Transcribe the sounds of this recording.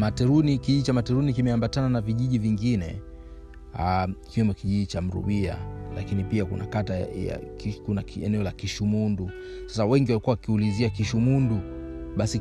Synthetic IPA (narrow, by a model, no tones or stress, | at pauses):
matɛɾunikiiʄit͡ʃamatɛɾunikimɛambatananaviʄiʄiviŋɡinɛ̰ | aikiwɛmɔkiʄiʄit͡ʃam̩ɾṵɓia̰la̰kinipiakṵna̰kataja̰kikunaɛ̰nɛɔlakiʃumundu | sḁsawɛŋɡiwalikuwawakiuliziakiʃumunduɓasi